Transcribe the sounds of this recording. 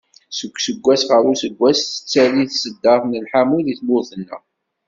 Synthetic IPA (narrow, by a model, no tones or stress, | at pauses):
səkʷːsəɡʷːæsʁəɾˤusəɡʷːæsθə̥t͡sːæliθsəd̪ːɑɾθnəlħamuðiθmʊθənːə̰